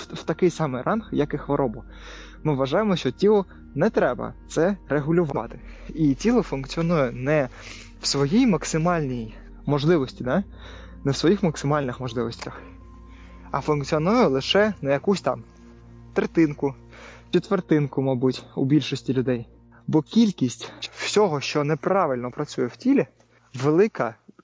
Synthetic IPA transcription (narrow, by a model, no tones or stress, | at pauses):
wt̪ɐkɪjsɑmɪjrʔɑnxjɐkɪxʋɔɾʔɔbʊ | mɪʋʋːɐʒɑjɪmɔʃt͡ʃɔtʲilˠɔ | nɛt̪ɾɛbɐ̰t̪sɛreɦʊlʲʊʋɑ̰t̪ɪ̥itʲilˠɔfʊnkt͡sʲiɔnujʊnɛ | w̥sʋɔjijmɐksɪmɑlʲnʲij | mɔʒlˠɪʋɔsʲtʲid̪ɑ | nɛwsʋɔjixmɐksɪmɑlʲnɪxmɔʒlˠɪʋɔsʲtʲɐx | ɐ̰fʊnkt͡sʲiɔnujɛlˠɪʃɛnɐjɐkusʲt̪ɑm | t̪ɾet̪ɪnkʊ | t͡ʃʲit̪ːʋert̪ɪnkʊmɑbutʲʊ̰bʲilʲʃɔsʲtʲilʲʊd̪ɛj | bɔkʲilʲkʲisʲtʲwsʲɔɦɔʃt͡ʃɔnɛpɾɑʋɪlʲnɔpɾɐt͡sʲujɛw̥tʲilʲɛ | ʋelˠɪkɐ